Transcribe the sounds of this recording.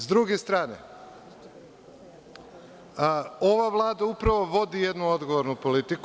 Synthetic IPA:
zd̪ɾuɡest̪ɾaːnḛ | o̞ʋaʋlˠaːd̪aupɾaʋo̞ʋo̞d̪ije̞d̪nuo̞d̪ɡoʋoɾnupo̞lit̪ik

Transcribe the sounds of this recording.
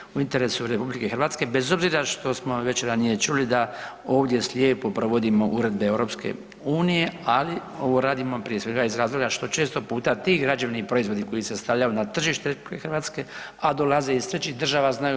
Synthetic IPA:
uint̪eɾe̞suɾe̞publike̞xrɾʋaːt̪ske̞be̞zo̞bziːɾaʃt̪o̞smo̞ʋe̞t͡ʃɾanije̞t͡ʃulid̪a | o̞ːʋd̪je̞sʎʲjeːpo̞pɾo̞ʋo̞d̪imo̞ʔuɾe̞d̪̚be̞ewɾo̞pskḛ | uːnije̞alio̞ʋo̞ɾaːd̪imo̞pɾije̞sʋe̞ɡaizɾaːzlˠo̞ɡaʃt̪o̞t͡ʃeːst̪o̞puːt̪at̪iːɡɾad͡ʒeʋnipɾo̞izʋo̞d̪iko̞jise̞st̪aʋʎajunat̪r̩ʒiːʃt̪eɾepublikexrɾʋaːt̪ske̞ | ad̪o̞laze̞ist̪ɾet͡ʃid̪r̩ʒaʋaznaju

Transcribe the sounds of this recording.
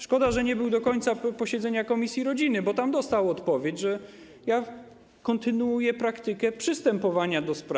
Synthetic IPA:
ʂkɔd̪aʐɛɲɛbɘwd̪ɔkɔɲt̪sapɔɕɛd̪zɛɲakɔmʲisʲjiɾɔd͡ʑinɘbɔt̪amd̪ɔst̪awɔt̪pɔvʲjet͡ɕʐɛ | ja | kɔnt̪ɘnuujɛpɾakt̪ɘkɛpʂɘst̪ɛmpɔvaɲad̪ɔspɾa

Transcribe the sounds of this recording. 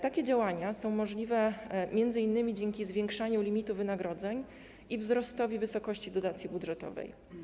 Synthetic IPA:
t̪akʲɛd͡ʑawaɲasɔ̃w̃mɔʐlʲivɛmʲjɛnd̪zɘinːɘmʲid͡ʑɛŋkʲizvʲjɛ̃ŋkʂaɲulʲimʲit̪uvɘnaɡɾɔd̪zɛɲ | ivzɾɔst̪ɔvʲivɘsɔkɔɕt͡ɕid̪ɔd̪at̪sʲjibud̪ʐɛt̪ɔ̰vɛ̰j

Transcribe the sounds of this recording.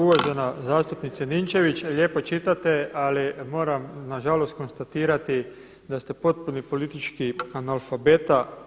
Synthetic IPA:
uʋoʒe̞nazaːst̪upnit̪senint͡ʃe̞ʋit͡ʃlʎje̞ːpo̞t͡ʃit̪at̪ealimo̞ːɾamnaʒalo̞st̪̚ko̞nst̪at̪iːɾat̪i | d̪ast̪e̞po̞t̪̚punipo̞lit̪it͡ʃkianalfabet̪a

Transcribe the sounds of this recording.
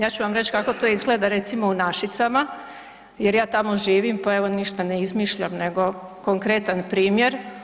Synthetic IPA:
jaːt͡ɕuʋamɾe̞t͡ɕkako̞t̪ojizɡle̞d̪aɾe̞t̪simo̞unaʃit̪sama | jeɾjaːt̪amo̞ʒiːʋimpae̞ʋo̞niʃt̪aneizmiʃʎamne̞ɡo̞ | koŋkɾe̞t̪anpɾiːmje̞ɾ

